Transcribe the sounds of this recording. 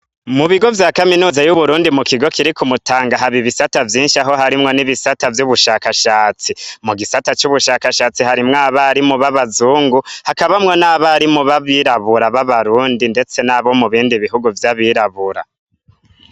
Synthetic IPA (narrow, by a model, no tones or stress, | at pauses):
muβiɡo̞vjaːkaminuːzajuβuɾuːndimukiɡo̞kiɾikumutaːŋɡaɦaβiβisatavjiːnʃiaɦo̞ɦaɾimŋo̞niβisatavjuβuʃakaʃaːt͡simuɡisatat͡ʃuβuʃakaʃaːt͡sihaɾimŋaːβaɾimuβaβazuːŋɡuhakaβamŋo̞naːβaːɾimuβaβiɾaβuɾaβaβaɾuːndinde̞t͡se̞naːβomuβiːndiβiɦuɡuvjaβiɾaβuɾa̰